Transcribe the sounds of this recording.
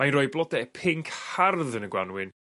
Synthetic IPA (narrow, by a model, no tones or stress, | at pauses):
majnrɔːjblˠɔdɛpʰɪŋkʰharðənəɡwanwɪn